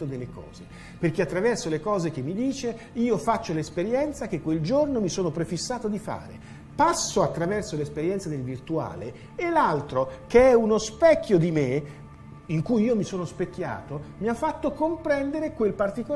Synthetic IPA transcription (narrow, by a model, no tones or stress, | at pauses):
od̪elːekɔ̰ːze | perk̟eat̪ːɾavɛrsolekɔːzek̟emːid̪iːt͡ʃe | iːofat͡ʃːolespeɾjɛnt̪sakekːweld͡ʒornomisoːnopɾefisːaːt̪od̪ifa̰ːɾḛ | pasːoat̪ːɾavɛrsolespeɾjɛnt̪sad̪elvirt̪ua̰ːle | elalt̪ɾokeɛunospɛkʲːjod̪ime | iŋkujiːomisoːnospekʲːja̰ːt̪omiafːat̪ːokompɾɛnd̪eɾekwelpart̪iko